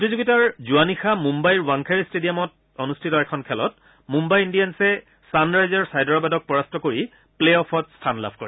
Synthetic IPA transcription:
potizuɡitaɹzuanixamumbajɹwaŋkʰaɹistedijamɔt | onustʰitɔɛkʰɔnkʰɛlɔt̚ | mumbajindijansɛ | sanɹajzaɹsajdɔɹɔbadɔk̚pɔɹastɔkoɹi | pleɔpʰɔtstʰanla̰bʱko̰ɹi

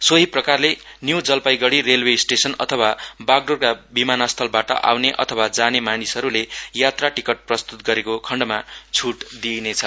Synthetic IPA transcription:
soɦiprʌkarle | njuwd͡zʌlpajɡʌɽirelwesʈesʌnʌ̰t̪ʰʌwabaɡ̚ɖorkabimanast̪ʰʌlbaʈʌ̰ʔa̰wneʔʌ̰t̪ʰʌwad͡zanemanisʌɾulejat̪raʈikʌʈ̚prʌst̪ut̪ɡʌɾekokʰʌɳɖmat͡sʰuʈd̪inet͡sʰʌ

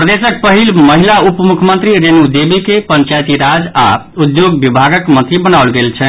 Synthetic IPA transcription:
pɾəd̪esək̚pəɦilməɦilaupmukʰmənt̪ɾiɾenud̪ebikepəɲt͡ʃajt̪iɾad͡ʒa | ud̪joɡbibʱaɡəkmənt̪ɾibənaʊlɡelt͡ʃʰɛ

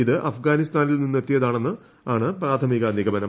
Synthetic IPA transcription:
iðɨʔɐfɡaːnist̪aːnilninːue̞t̪ːijɐðaːɳe̞nːɨ | aːɳɨpɾaːt̪ʰɐmiɣɐniɣɐmɐnɐm

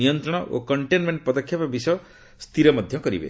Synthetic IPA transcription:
ijɔnt̪ɾɔɽ̃ɔʔo̰kɔɳʈenmeɳʈpɔd̪ɔkʰːjapabis | st̪ʰiɾɔmɔd̪ʱjɔkɔɾḭbḛ

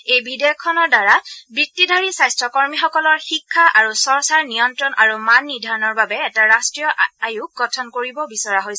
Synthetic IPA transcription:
ejbʱideɔkʰːɔnɔɹdaɹabik̚tidʱaɹisajstɹɔkɔɹmixɔkɔlɔɹxikʰːaʔaɹusɔɹsaɹnijɔntɹɔnʔaɹumanːidʱaɹɔnɔɹbabɛɛtaɹastɹijɔʔajuk̚ɡɔtʰɔnkoɹibɔbisɔɹaɦojs

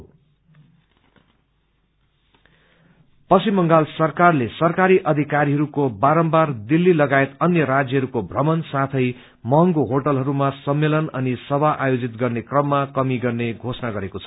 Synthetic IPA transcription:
pʌsimːʌŋɡalsʌrkarlesʌrkaɾiʔʌd̪ʱikaɾiɦʌɾukobaɾʌmbard̪ilːilʌɡaet̪ʌnjʌɾad͡zjʌɦʌɾukobʱrʌmʌnsat̪ʰʌj | mʌŋɡoɦoʈʌlɦʌɾumasʌmːelʌnʌnisʌbʱaʔajod͡zit̪ɡʌrnekrʌmːakʌmiɡʌrneɡʱosʌnaɡʌɾekot͡sʰʌ̥

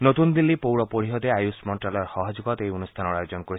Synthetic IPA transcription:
not̪und̪ilːipowɾɔpoɾiɦɔd̪eajusmɔɳʈɾalɔɾhɔɦɔd͡ʒuɡɔt̪ejonust̪ʰanɔɾajod͡ʒɔnkoɾi

